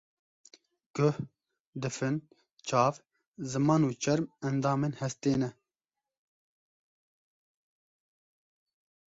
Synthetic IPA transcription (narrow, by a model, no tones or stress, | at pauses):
ɡ̥ʊh | d̪ɨfɨn | t͡ʃʰɑːv | zɨmɑːnuːt͡ʃʰɛɾmɛnd̪ɑːmeːnhɛst̪eːnɛ